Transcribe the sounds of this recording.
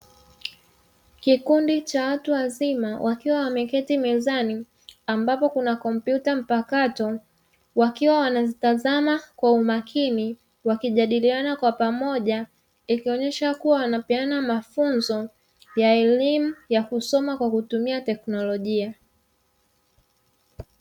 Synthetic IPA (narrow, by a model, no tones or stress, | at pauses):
kikundit͡ʃawatuwazimawʔakiwawamɛkɛtimɛzani | ambapɔkunakɔm̩pjutam̩pakatɔ | wakiwawanazitazamakwaumakʰini | wakiʄaɗilianakwapamɔʄa | ikiɔɲɛʃakuwawanapianamafunzɔ | jaɛlimujakusɔmakwakutumiatɛknɔlɔʄia